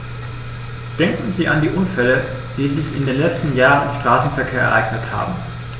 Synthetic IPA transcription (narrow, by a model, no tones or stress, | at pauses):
d̥ɛŋkn̩ziːʔandiːʔʊnfɛlə | d̥iːzɪçɪ̰ndeːnlɛt͡stn̩jaːʁə̃nɪ̰mʃtʁ̥aːsn̩fɛɐkʰeːɐʔɛ̰ɐʔaɪɡnətha̰ːbm̩